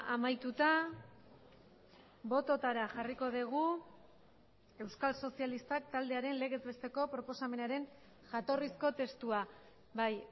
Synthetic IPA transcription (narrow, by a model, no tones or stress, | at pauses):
amajt̪ut̪a | bo̞t̪o̞t̪aɾaʝariko̞ðiɣ̞u | e̞wskalso̞sialist̪ak̚t̪ald̪e̞aɾe̞nle̞ɣezβest̪e̞ko̞pɾo̞po̞same̞naɾe̞n | ʝat̪o̞risko̞t̪e̞st̪ua | baj